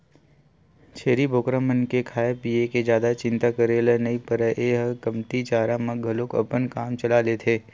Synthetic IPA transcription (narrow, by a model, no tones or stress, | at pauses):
t͡ʃʰeːɾibʱoːkɾəmənkekʰaːepiːeked͡ʒjaːd̪at͡ʃɪ̃nt̪akəɾeːlənɐipəɾəʔeːɦəkɐmt̪it͡ʃaːɾamə̃ɡʱɐlokɐ̰pənkaːmt͡ʃɐlalet̪ʰeː